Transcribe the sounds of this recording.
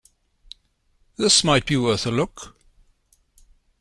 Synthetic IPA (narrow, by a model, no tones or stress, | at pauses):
ðɪsmaɪt̚b̥iwɜˑθəlʊk